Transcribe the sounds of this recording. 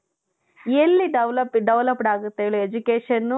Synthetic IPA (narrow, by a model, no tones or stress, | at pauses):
elːiɖɐʋlɐpɖɐʋlɐpɖaːɡut̪ːeɭued͡ʒukeːʃɐnːu